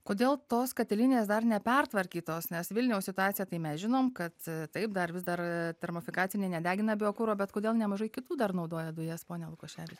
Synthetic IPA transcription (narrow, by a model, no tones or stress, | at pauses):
koːd̪ʲeːlˠt̪oːskɐt̪ʲɛlʲɪnʲeːsd̪ɐrnʲɛpʲɛrt̪ʋɐɾʲkʲiːt̪oːsnʲɛsʋʲɪlʲnʲɛʊssʲɪt̪ʊɑːt̪t͡ssʲɪjɛt̪ɐɪmʲɛsʒʲɪnoːmkɐt̪t̪ɐɪp̚d̪ɐɾʋʲɪzd̪ɐrt̪ʲɛɾmofʲɪkɑːt͡ssʲɪnʲeɪnʲɛd̪ʲæːɡʲɪnɐbʲɪoːkuːɾoːbʲɛt̪koːd̪ʲeːlˠnʲɛmɐʒɐɪkʲɪt̪uːd̪ɐrnɐʊd̪oːjɛd̪ʊjeːspoːnʲɛlˠʊkoːʃʲæːʋʲɪt͡ʃʲɛ